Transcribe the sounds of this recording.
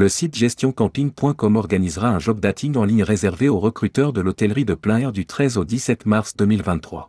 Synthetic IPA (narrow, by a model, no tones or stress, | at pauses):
ləsit̪ʒɛst̪jɔ̃kɑ̃p̪iŋpwɛ̃kɔmɔʁɡanizʁaɛ̃ʒɔb̚d̪at̪ʰiŋɡɑ̃liɲʁezɛʁveoʁəkχyt̪œʁd̪əlɔt̪ɛlʁid̪əplɛ̃ɛʁd̪yt̪χɛzod̪isɛt̪maʁsd̪əmilvɛ̃t̪χwa̰